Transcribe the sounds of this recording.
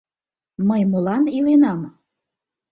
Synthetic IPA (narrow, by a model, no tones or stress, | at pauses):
məjmolɑnilenɑm